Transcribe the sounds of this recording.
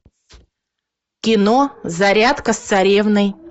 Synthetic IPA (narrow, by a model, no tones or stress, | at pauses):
kʲɪnozɐɾʲat̪kəst̪sɐɾʲevnɨj